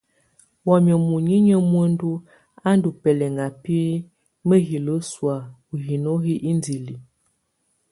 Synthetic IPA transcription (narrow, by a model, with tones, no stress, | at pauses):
wɔ˨m˨ə˨mu˨ɲi˦ɲə˦mwə˦n˦du˦ | a˦n˦du˨pɛ˨lɛ˨ŋɡa˨pi˦ | mə˦ɣi˨lə˦swa˨ | u˨ɣi˨no˦ɦi˦ʔi˦ndi˨li˨